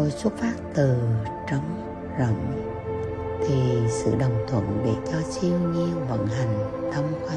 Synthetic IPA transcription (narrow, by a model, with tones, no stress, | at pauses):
o˨˩jswu˦˥t̚faː˦˥p̚t̪ɨ˨˩ | t͡ɕə˧˦wŋ͡m | zə̰˧˩ŋ͡m | t̪ʰi˨˩sɨ̰˧˨ɗə˨˩wŋ͡mt̪ʰwə̰˧˥nɗe˧˩t͡ɕɔ˧t͡ɕi˧əwɲi˧əvə̰˧˥nɦa˨˩jŋ̟t̪ʰə˧ŋ͡mkwa˧˦